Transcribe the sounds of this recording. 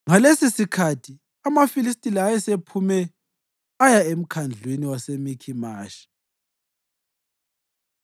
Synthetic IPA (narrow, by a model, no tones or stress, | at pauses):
ŋalesisikʰatʰi | amafilistʼiliajɛsepʰumɛ | ajaem̩kʰand͡ɮʱweniwasemikʰimaːʃi̥